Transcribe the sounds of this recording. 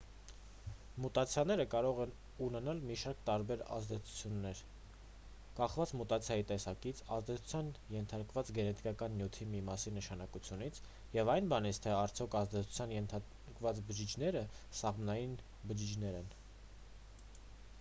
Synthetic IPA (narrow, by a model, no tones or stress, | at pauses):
mut̪ɑt͡sʰjɑnɛɾəkɑɾɔʁɛn | unɛnɑlmiʃɑɾkt̪ɑɾbɛɾɑ̰zd̪ɛt͡sʰu̥t͡sʰjunːɛɾ | kɑχvɑt͡smut̪ɑt͡sʰjɑjit̪ɛsɑkit͡sʰɑzd̪ɛt͡sʰu̥t͡sʰjɑnjɛnt̪ʰɑɾkvɑt͡sɡɛnɛt̪ʰi̥kɑkɑnːjut̪ʰimimɑsinəʃɑnɑkut͡sʰjunit͡sʰ | jɛvɑjnbɑnit͡sʰt̪ʰɛɑɾt͡sʰjɔkʰɑzd̪ɛt͡sʰu̥t͡sʰjɑnjɛnt̪ʰ | kvɑt͡sbəd͡ʒit͡ʃʰnɛɾəsɑʁmnɑjin | bəd͡ʒid͡ʒʰnɛɾɛn